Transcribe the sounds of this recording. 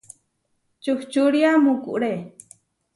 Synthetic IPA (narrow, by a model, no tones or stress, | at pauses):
t͡ʃuht͡ʃuɽiamukṵʔɽe